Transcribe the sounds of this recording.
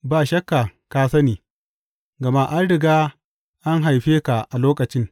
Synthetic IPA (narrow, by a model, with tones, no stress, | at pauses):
ba˨ʃɐ˦kːa˨kaː˦sɐ˦niː˨ | ɡɐ˨ma˦ʔa˦nɽɪ˨ɡaː˦ | ʔa˦ŋɦa˨jɸeː˦ka˨ʔa˨loː˦kɐ˨t͡ʃɪ˦ŋ